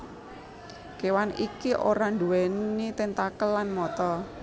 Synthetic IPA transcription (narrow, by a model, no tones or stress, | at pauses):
kewanḭkiʔoɾaɳd̪uwɛnit̪ɪnt̪akəlːanmɔt̪ɔ